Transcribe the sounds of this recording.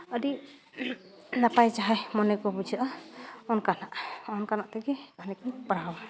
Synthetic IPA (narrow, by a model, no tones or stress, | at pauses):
ədi | napajt͡ʃaɦajmɔnɛkɔbud͡ʒʱaʔaɔnkanaʔɔnkanaʔt̪ɛɡɛkanɛkɔpɾaw